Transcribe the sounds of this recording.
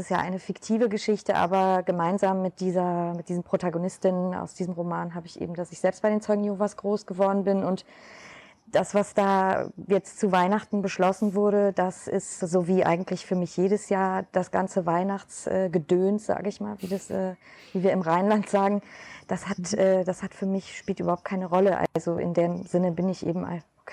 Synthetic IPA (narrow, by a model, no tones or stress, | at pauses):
sɪsjaːʔa̰ɪnəfɪktʰiːvəɡəʃɪçtəʔa̰ːbɐɡəmaɪnzaːmːɪt̚d̥iːzɐmɪt̚d̥iːzəm̩pʁ̥otaɡonɪstɪnəna̰ʊsd̥iːzəm̩ʁomaːnɦaːbəɪçʔḛːbm̩dasɪçz̥ɛlpst̚b̥aɪɾeːnt͡sɔʏɡŋ̩joːvasɡ̥ʁoːsɡ̥əvɔɐdn̩bɪnʊnt | d̥asv̥asd̥aːjɛt͡stt͡suvaɪnaχtn̩bəʃlɔsn̩vʊɐɾədasɪ̰stz̥oːviːʔa̰ɪɡŋ̩tʰlɪçfyːɐmɪçjeːɾəsjaːɐd̥asɡ̥a̰nt͡səvaɪnaχt͡sʔɛːɡədøːntz̥a̰ːɡəɪçmaːlviːdasʔɛːviːviːɐɪmʁaɪnlantz̥aːɡŋ̩d̥ashatʔɛːdashatfyːɐmɪçʃpiːltyːbɐhaʊt̚kʰaɪnəʁɔləʔa̰lzoʔɪ̰ndeːmzɪnəbɪnɪçʔḛːbm̩a̰